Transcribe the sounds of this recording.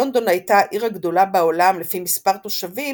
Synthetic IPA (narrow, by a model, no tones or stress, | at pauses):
ond̪o̞nhajtaʔiʁaɡd̪o̞labeolamlefimispaʁt̪o̞ʃavi